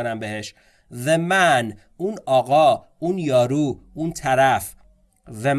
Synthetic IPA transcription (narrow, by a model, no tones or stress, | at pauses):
ɾæmbeheʃ | vemæn | uːnɒːɣɒː | unjɒːɾuːunt̪ʰæɾæf | ve